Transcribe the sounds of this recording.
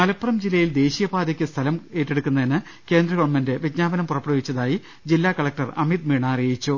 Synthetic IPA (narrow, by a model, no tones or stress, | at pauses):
mɐlɐpːurɐmd͡ʑilːɐjild̪e̞ːɕijɐbaːd̪ɐkʲːɨst̪ʰɐlɐme̞ːʈːeɽukːunːɐðinɨ | ke̞ːnd̪rɐɣɐʋɐnmɐnde̞ʋit̪̚ɲaːbɐnɐmpurɐpːɐɽɐʋit͡ɕːɐðaːji | d͡ʑilːaːkɐɭɐk̚ʈɐrɐmid̪̚miɳaːrejit͡ɕːu